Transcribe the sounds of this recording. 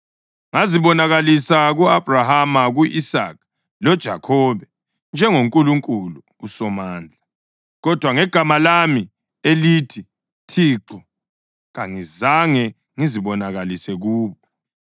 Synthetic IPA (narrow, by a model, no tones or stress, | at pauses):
ŋaziβɔnaɣalisaɣuab̥ʱrahamaɣuʔisa̰k̚ʰ | lɔd̥ʒ̥ʱakʰɔːβɛ | nd͡ʒʱɛŋoŋkʼuluŋkʼuluːsɔmaːnd͡ɮʱa | ɣɔd̥ʱwaŋɛɡ̥ʱamalami | elitʰi | tʰiːǁɔ | ɣaŋizaŋɛ | ŋiziβɔnaɣalisɛɣuːβɔ